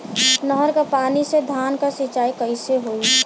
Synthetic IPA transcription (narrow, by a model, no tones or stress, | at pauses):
nəɦəɾkapaːnised̪ʱaːnkasit͡ʃaːikəɪseɦoːi